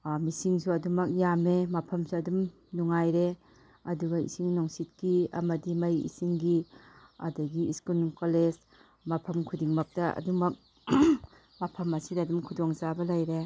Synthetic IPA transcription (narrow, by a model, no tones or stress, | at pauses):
misiŋsuɐdumɐk̚jamemɐpʰɐmsuɐdum | nuŋajɾe | ɐduɡɐḭsiŋnɔŋsit̚kiɐ̰mɐdimɐjḭsiŋɡiɐ̰dɐɡiiskulkoles | mɐpʰɐmkʰudiŋmɐk̚tɐɐ̰dumɐk̚ | mɐpʰɐmɐsidɐːdumkʰudɔŋzabɐlɐjɾe